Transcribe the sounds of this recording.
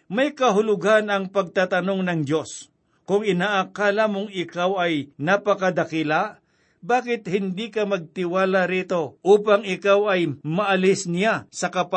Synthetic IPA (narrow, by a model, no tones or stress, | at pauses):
mɐjkɐɦʊlʊɡanɐŋpɐɡ̚t̪at̪ɐno̞ŋnɐŋd̪jo̞s | kʊŋɪnaːʔakalamʊŋɪkawɐjnapɐkɐd̪ɐkɪlaʔ | baːkɪt̪hɪnd̪ikɐmɐɡ̚t̪ɪwaːlaɾiːt̪o̞ʔuːpɐŋɪkawɐjmɐʔɐlɪsnɪjasɐkɐp